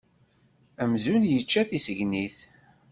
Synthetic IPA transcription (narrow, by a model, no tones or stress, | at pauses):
æmzunjət͡ʃːæθisəʝniθ